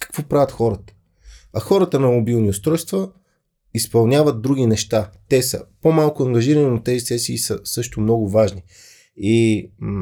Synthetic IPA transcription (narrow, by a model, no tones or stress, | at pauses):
kɐ̥kvɔpɾavʲət̪xɔɾət̪ə̥ | ɐxɔɾət̪ənɐmʊbilˠniʊst̪ɾɔjst̪və | ispɐlˠnʲavəd̪̚d̪ɾuɡ̟ʲinɛʃt̪at̪ɛsə̰pomalˠkʊɐŋɡɐʒiɾəninʊt̪ɛzisɛsiːsəsɤʃt̪ʊmnɔɡʊvaʒni | i